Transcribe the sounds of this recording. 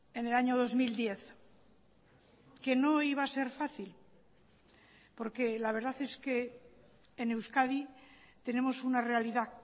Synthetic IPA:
e̞ne̞laɲo̞ð̞o̞zmild̪je̞θ | ke̞no̞iβ̞aːse̞ɾfaθil | po̞ɾke̞laβ̞e̞ɾðaθe̞ske̞ː | ne̞wskaði | t̪e̞ne̞mo̞sunare̞aliða

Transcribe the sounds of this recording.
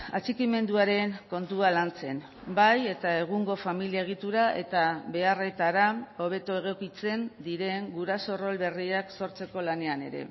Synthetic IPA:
at͡sikime̞nd̪uaɾe̞ŋko̞nt̪ualant͡se̞n | baje̞t̪ae̞ɣ̞uŋɡo̞familiaeɣ̞it̪uɾaʔe̞̰t̪aβe̞are̞t̪aɾao̞β̞e̞t̪oeɣ̞o̞kit͡se̞nd̪iɾe̞ŋɡuɾaso̞ro̞lβe̞riakso̞ɾt͡se̞ko̞lane̞ane̞̰ɾe̞̰

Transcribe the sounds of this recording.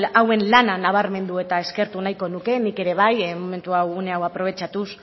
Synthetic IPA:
lawe̞nlananaβ̞aɾme̞nd̪ue̞t̪ae̞ske̞ɾt̪unajko̞nuke̞nike̞ɾe̞β̞ajmo̞me̞nt̪uawune̞awapɾo̞β̞e̞t͡ʃat̪us

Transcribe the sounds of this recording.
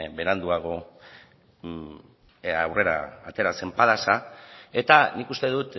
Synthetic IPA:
be̞ɾand̪uaɣ̞o̞ | awre̞ɾa̰ːt̪e̞ɾase̞mpaðasae̞t̪anikust̪e̞ðut̪

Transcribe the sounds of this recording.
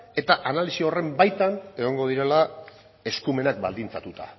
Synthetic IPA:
e̞t̪aʔanalisio̞re̞mbajt̪ane̞ɣ̞o̞ŋɡo̞ð̞iɾe̞la | e̞skume̞nak̚ba̰ld̪int͡sat̪ut̪a̰

